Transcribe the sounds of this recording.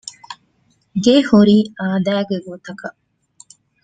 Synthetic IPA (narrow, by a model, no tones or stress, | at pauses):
ɡehuɾiːaːd̪æːɡeɡot̪ɐkɐ